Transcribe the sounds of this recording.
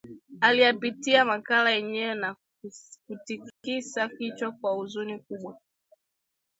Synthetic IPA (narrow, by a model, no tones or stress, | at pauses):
alijapitiamakalajɛɲɛɛna | kutikisakit͡ʃakwauzunikuɓwa